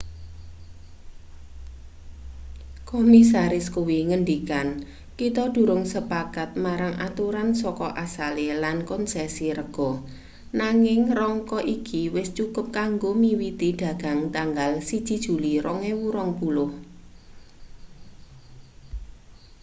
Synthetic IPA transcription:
komisaɾɪskuwiŋənd̪ikan | kit̪ɔd̥ṳɾʊŋsəpakat̪̚maɾaŋʔat̪uɾansɔkɔʔasalelankɔnsɛsiɾəɡ̥ɔ̤ | naŋɪŋrɔŋkɔʔikʰiwɪst͡ʃukʊp̚kaŋɡomiwid̪id̪̥ä̤ɡ̥a̤ŋt̪aŋɡalsid̥ʒ̥i̤d̥ʒ̥ṳliɾʔɔŋewuɾɔŋpulʊh

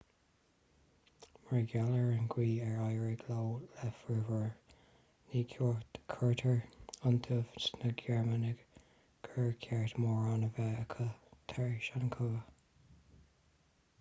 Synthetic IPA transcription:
mɹɛɡjaləɹənɡwiːɛɹajəɹɪɡlawlɛfəvəɹ | niːkʰjɔːɹt̪kʰəɹtʰəɹənt̪ʰəvsnəɡɛɹmanɪɡ̥ | kʰəɹkʰɛɹt̪mɔːɹanəvɛəkʰət̪ʰɛɹʃankʰɔə

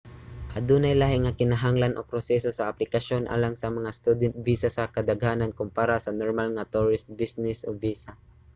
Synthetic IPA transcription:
ʔɐd̪uːnajlaɦɪŋɐkɪnaɦaŋlanʔopɾosɛsosɐːplɪkɐʃo̞nʔa̰ːlaŋsɐmɐŋast̪ud̪ɛnt̪̚viːsasɐkɐd̪ɐɡaːnankʊmpaɾasɐnoɹmalŋat̪uɹɪst̪̚bisnɛsʔobiːsa

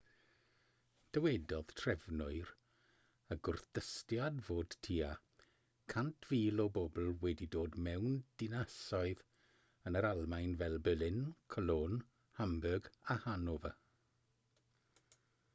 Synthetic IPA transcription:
d̥əwɛdɔð̥tʰrɛvnʊɨɾ | əɡʊrθd̥əstjadvoːd̥tʰiːa | kʰantʰv̥iːlɔbɔbl̩ˠwɛdidoːdmɛwnd̥ɪnasɔɨð | ənəɾalˠmajnvɛlˠbɪlɪnkʰɔloːn | hambəɡahanɔvə

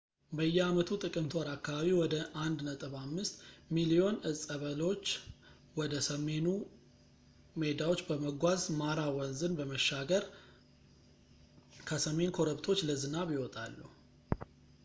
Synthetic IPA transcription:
bəjːɛamət̪ʰut̪ʼɨkʼɨmt̪ʰwaɾakːaβaβiwɔd̪əʔand̪nət̪ʼɨβamːɨst̪milio̞nɨsʼəβəlo̞t͡ʃː | wɔd̪əsəme̞nu | med̪awo̞t͡ʃːbəməɡʷazmaɾawɔnzɨnbəməʃːaɡəɾ | kʰəsəme̞nkʰo̞ɾəβt̪ʰo̞t͡ʃːləzɨnaβjɪwɔt̪ʼalːuhu

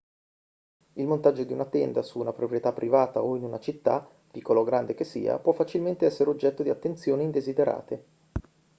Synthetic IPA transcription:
ilmont̪ad͡ʒːod̪iunat̪ɛnd̪asuːnapɾopɾjet̪apːɾʔivaːt̪a̰oinunat͡ʃit̪ːa̰ | pikʰːolaoɡɾand̪ek̟esːḭːa̰pwɔfːat͡ʃilment̪eɛsːeɾeod͡ʒːɛt̪ːod̪iat̪ːent̪sjoːnind̪ezid̪eɾa̰ːt̪e

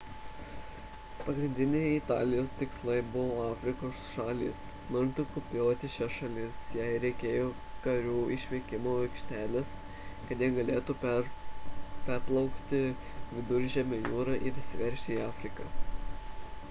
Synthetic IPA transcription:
pɐɡɾʲɪnʲd̪ʲɪnʲɛɪɪt̪ɑ̰ːlʲɪjoːst̪ʲɪkslˠɐɪbʊʋoːɑːfʲɾʲɪkoːsʃɑːlʲḭːs | mʊnt̪ʊkʊpʲjoːt̪ʲɪʃʲɛʃɐlʲɪsjɛɪɾʲɛɪkʲeːjoː | kɐɾʲuːɪʃʲʋʲɛɪkʲɪmoːʋɐɪkʃʲt̪ʲæːlʲɛs | kɐt̪ʲjɛɡɐlʲeːt̪u | pʲæɾplˠɐʊkt̪ʲɪ | ʋʲɪd̪ʊɾʲʒʲɛmʲɛjuːɾɑʔɪɾɪʃsʲɪʋʲɛɾʲʃʲt̪ʲɪiːɑːfʲɾʲɪkɐ

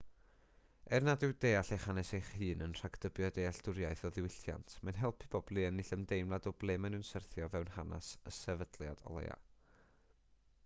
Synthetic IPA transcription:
ɛrnadɪwdeːaɬejχanɛsejχhɨːnənr̥akd̥əbjɔdejaɬdʊɾjaɨθɔðɪwɪɬja̰ntʰmanɦɛlˠpʰibɔblˠiənːiɬəmdejmlˠadɔblˠemənɪwnsərθjɔvɛwnhana̰səsɛvədlˠja̰d̥ɔ̰lˠḛja̰

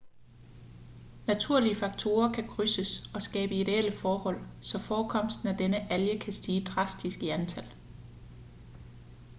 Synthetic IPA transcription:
næt͡sʰuɐ̰liəfɑ̈ɡ̥̚t͡sʰo̝ːɐkʰækʰʁysəsɒ̽sɡ̥ɛ̰ːb̥əid̥e̝eləfɒːhɒ̽l̰sɒ̽fɒːkʰɒ̽m̰sd̥n̩æd̥enəʔæljəkʰæsd̥iːd̥ʁɑ̈sd̥isɡ̥əænt͡sʰæl̰

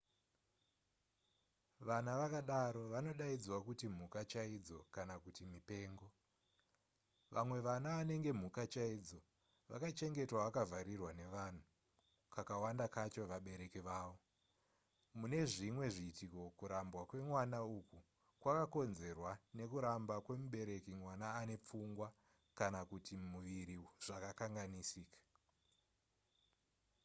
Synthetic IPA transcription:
ʋanaʋakaɗaɾo̞ʋano̞ɗaid͡zwakutim̤ukat͡ʃaid͡zo̞kanakutimipe̞ːŋɡo̞ | ʋʔa̰mwe̞ʋanaʋane̞ŋɡe̞m̤ukat͡ʃaid͡zo̞ | ʋa̰kat͡ʃe̞ŋɡe̞twaʋakavaɾirwane̞ʋan̤u | kakawandakat͡ʃo̞ʋaɓe̞ɾe̞keʋaːʋo̞ | mune̞ʐimwe̞ʐiːtiko̞kuɾambwakwe̞mwanauku | kwakako̞nze̞rwane̞kuɾambakwe̞muɓe̞ɾe̞kimwanaːne̞p͡fuŋɡwa | kanakutimuʋiɾiʐ̥akakaŋɡanisiːkḁ

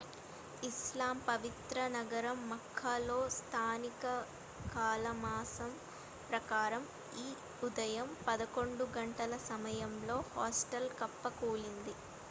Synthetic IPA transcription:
islaːmpɐʋit̪ɾɐnɐɡɐɾɐmːɐkʰːaːlo̞ːst̪ʰaːnikɐ | kaːlɐmaːsɐm | pɾɐkaːɾɐm | iː | ud̪ɐjɐmpɐd̪ɐko̞ɳɖuɡɐɳʈɐlɐsɐmɐjɐmlo̞ːhaːsʈɐlkɐpːɐkuːlind̪i

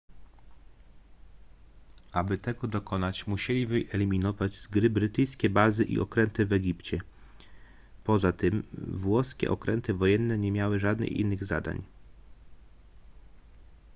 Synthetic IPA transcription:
abɘt̪ɛɡɔd̪ɔkɔnat͡ɕmuɕɛlʲivɘʔɛlʲimʲinɔvad͡ʑz̥ɡɾɘbɾɘt̪ɘjskʲɛbazɘʔḭʔɔ̰kɾɛnt̪ɘvɛɡʲipt͡ɕɛ | pɔzat̪ɘmvwɔskʲɛ̰ʔɔkɾɛnt̪ɘvɔjɛnːɛɲɛmʲjawɘʐad̪nɛ̰xʲḭnːɘɣza̰d̪a̰ɲ

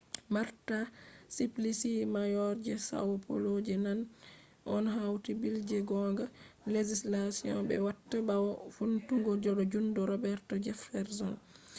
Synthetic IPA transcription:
maɾtasiplisimajɔɾd͡ʒɛsa̰wpʰo̰lod͡ʒɛnan | ʔɔnɦawtibild͡ʒɛɡɔŋɡaled͡ʒislasiɔ̰nbɛ̰watːabawɔfuntuŋɡɔd͡ʒɔɗɔd͡ʒundɔɾɔbɛɾtɔd͡ʒɛfɛɾsɔn

